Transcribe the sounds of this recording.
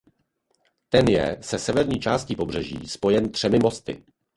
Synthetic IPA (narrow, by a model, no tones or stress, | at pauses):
t̪ɛnjɛ̰sɛsɛvɛɾɲiːt͡ʃaːsciːpo̞br̝ɛʒḭːspo̞jɛnt̪r̝̥ɛmɪmo̞st̪ɪ̰